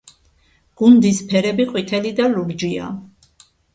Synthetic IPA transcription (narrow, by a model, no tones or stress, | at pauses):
ɡ̥und̪ispʰɛɾɛbiqʼwit̪ʰɛlid̪aluɾd͡ʒia̰